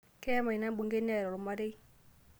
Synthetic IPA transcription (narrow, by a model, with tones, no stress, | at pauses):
kɛ˦ma˨i˨na˦mbu˨ŋɡe˦n˦a˦˨ɾɔ˨ɾʊ˨ma˦ɾe˦j